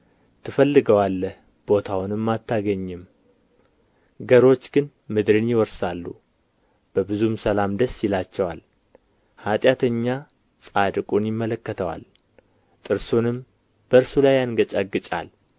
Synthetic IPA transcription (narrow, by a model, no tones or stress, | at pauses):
t̪ʰɨfəlːɨɡəwalːəh | b̥o̞t̪ʰawʊnɨmːat̪ʰːaɡəɲːɨm | ɡəɾo̞t͡ʃːɡɨn | mɨd̪ɾɨnjɪwɔɾsalːu | b̥əbɨzumsəlamd̪əsːjɪlat͡ʃːɛwa̰l | hat̪ʼjat̪ʰəɲːa | sʼad̪ɨkʼunjɪmːələkːət̪ʰəwa̰l | t̪ʼɨɾsonɨm | b̥əɾsulajanɡət͡ʃʼaɡːɨt͡ʃʼa̰l